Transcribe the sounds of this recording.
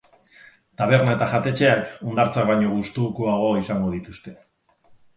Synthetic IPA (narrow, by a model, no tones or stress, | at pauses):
t̪aβ̞e̞ɾnae̞t̪aʝat̪e̞t͡ʃe̞akund̪aɾt͡sakβajɲo̞ɣ̞ust̪ukuaɣ̞o̞isaŋɡo̞ð̞it̪ust̪e̞